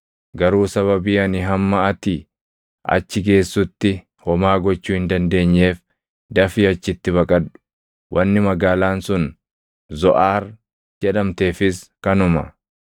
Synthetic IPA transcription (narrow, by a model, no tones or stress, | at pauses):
ɡɐɾuːsɐβɐbiːɐnɪɦɐmːɐɐt̪iː | ʔɐ̰t͡ʃːɪɡe̞ːsːʊt̪ːɪ | hɔmaːɡɔt͡ʃːuːhɪnd̪ɐnd̪e̞ːɲːe̞ːf | d̪ɐfiːɐt͡ʃːɪt̪ːɪbɐkʼɐᶑʊ̥ | wʔɐnːɪmɐɡaːlaːnsʊn | zɔʔaːr | d͡ʒɛᶑɐmt̪e̞ːfɪskɐnʊmɐ̰